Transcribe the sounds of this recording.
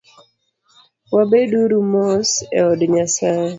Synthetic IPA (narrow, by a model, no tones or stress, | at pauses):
wabeduɾumɔsɛ̰ɔdɲasae